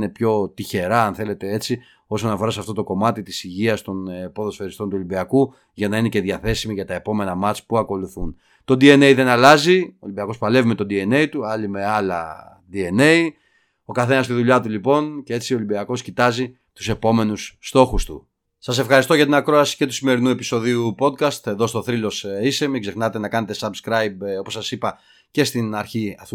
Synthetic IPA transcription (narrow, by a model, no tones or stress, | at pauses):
ne̞pço̞t̪içe̞ɾɐɐnθe̞le̞t̪e̞e̞t͡si | o̞so̞nɐfo̞ɾɐsɐft̪o̞t̪oko̞mɐt̪it̪isiʝiɐst̪o̞nepo̞ðo̞sfeɾist̪o̞nt̪uo̞libiɐku | ʝɐnɐinece̞ðjɐθe̞simiʝɐt̪ɐe̞po̞me̞nɐmɐt͡spuɐko̞luθun | t̪o̞d̪ie̞ne̞jðe̞nɐlɐzioːlibiɐko̞spɐle̞vimet̪od̪ie̞ne̞it̪uɐlime̞ɐlɐ̰ | d̪ie̞ne̞i | o̞kɐθe̞nɐst̪iðuʎɐt̪̬ulipo̞ncee̞t͡siolibiɐko̞scit̪ɐzi | t̪u̥se̞po̞me̞nusːt̪o̞xust̪ṵ | sɐse̞fxɐɾist̪oʝɐt̪inɐkɾo̞ɐsi̥ce̞t̪u̥sime̞ɾinue̞piso̞ðiupo̞d̪̚kɐst̪eðo̞st̪o̞θɾilo̞sisemikze̞xnɐt̪e̞nɐkɐne̞t̪e̞sɐbskɾɐjbo̞po̞sːɐsipɐ | ce̞st̪inɐɾçiɐθ